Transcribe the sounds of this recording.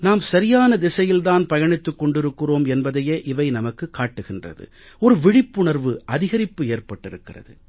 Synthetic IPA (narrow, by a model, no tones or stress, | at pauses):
naːmsɐɾɪjaːnɐd̪ɪsɐjɪlðaːnpɐjɐɳɪt̪ːɯkːɔɳɖɪɾɯkːɯroːmɛnbɐðɐjeːʔɪʋɐɪnɐmɐkːɯkːaːʈːɯɣɪndrɐ̰ðɯ̰ | ɔɾɯʋɪɽɪpːʊɳɐɾʋɯʔɐðɪɣɐɾɪpːɯeːrpɐʈːɪɾɯkːɪrɐ̰ðɯ̰